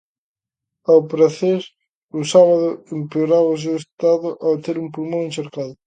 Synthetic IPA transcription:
awpɾaθeɾ | ʊsaβaðʊempeoɾaβaos̬ewest̪aðʊʔawt̪eɾumpuɾmõŋẽnʃeɾkaðʊ

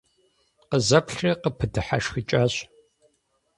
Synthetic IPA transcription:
qəzɐpɬrɐqəpʰɨdɨħa̰ʂxit͡ʃʼaːɕ

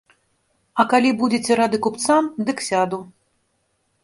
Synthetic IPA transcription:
ɐkalʲibud͡zʲet͡sʲɛɾad̪ɨkupt̪samd̪ɨksʲad̪u

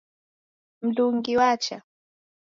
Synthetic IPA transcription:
m̩d̪ʊŋɡɪwaːt͡ʃa

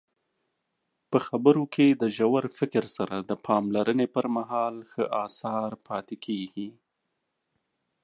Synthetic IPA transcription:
pəxabəɾokʰed̪əʒawaɾfɪkɾsaɾad̪əpʰɑmlaɾənepəɾmaɦɑlxəʔɑsɑɾpʰɑt̪ekʰeɡi

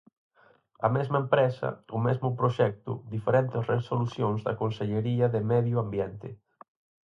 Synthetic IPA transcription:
ɐ̰mɛzmɐempɾɛsɐ̰ʊmɛzmʊpɾoʃɛk̚t̪ʊ̰d̪ifeɾɛnt̪ɪsresoluθjoŋzðɐ̰konseʎeɾiɐðɪmɛðjʊambjɛnt̪ɪ

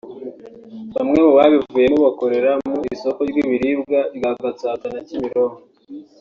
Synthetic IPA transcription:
βamŋe̞muβaβivuːje̞muβako̞ɾe̞ɾamuiiso̞koɾɡiβiɾibɡaɾɡaɡat͡saːtanacimiɾo̞ɾo

